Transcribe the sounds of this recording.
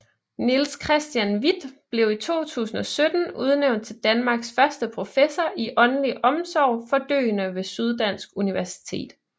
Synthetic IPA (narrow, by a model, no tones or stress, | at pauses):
nilskʰʁɛsd̥jænʋid̥b̥le̝ʊit͡sʰo̝̰ːt͡sʰṵːsn̩ɒ̽sød̥n̩uð̞ˠneʊnd̥̚t͡sʰe̝ld̥ænmɑ̈ːɡ̥sfɶɐsd̥əpʰʁo̝fesɒʔiʔɒ̽nnliʔɒ̽msɒʊ̰fɒ̽d̥ø̰ːnəʋe̝syð̞ˠd̥æn̰sɡ̥uniʋæɐsi̥t͡sʰe̝̰ːd̥